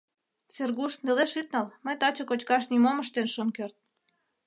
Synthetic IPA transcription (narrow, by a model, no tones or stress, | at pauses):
t͡serɣuʃneleʃyt̪̚nɑlməjt̪ɑt͡ɕə̆kot͡ɕkɑʃnimoməʃt̪enʃonkørt̪̚